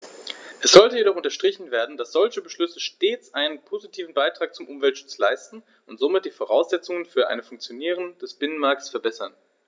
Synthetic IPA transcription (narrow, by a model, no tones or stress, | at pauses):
ʔɛsz̥ɔltəjedɔχʊntɐʃtʁ̥ɪçn̩veːɐdn̩dasz̥ɔlçəbəʃlʏsəʃteːt͡sʔaɪnənpʰozitʰiːvn̩baɪtʁ̥aːk̚t͡sʊmʔʊmvɛltʃʊ̥t͡slaɪstn̩ | ʊntz̥oːmɪt̚d̥iːfoʁ̞aʊsz̥ɛt͡sʊŋənfyːɐʔa̰ɪnəfʊŋkt͡sjoniːʁ̞ənd̥ɛsb̥ɪnənmaɐk̚tsfɛɐbɛsɐn